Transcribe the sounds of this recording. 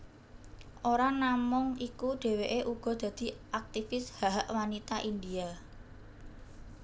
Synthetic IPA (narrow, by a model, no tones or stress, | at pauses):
ʔoɾanamʊŋikuɖ̪̥e̤weʔeʔuɡ̥ɔ̤d̪̥ä̤d̪̥i̤ʔak̚t̪ifɪshaɦaʔwanit̪aʔind̪ia